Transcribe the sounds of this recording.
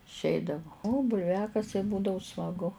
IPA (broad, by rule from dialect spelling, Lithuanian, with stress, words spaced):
ɪʃʲˈɛɪdɐʋʊ oː bʊlʲˈʋʲæːkɐsʲɛɪ ˈbuːdɐʋʊ smɐˈɡʊ